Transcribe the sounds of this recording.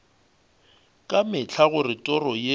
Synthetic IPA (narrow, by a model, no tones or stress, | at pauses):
kʼamɪt͡ɬʰaɣʊrɪtʼɔrɔje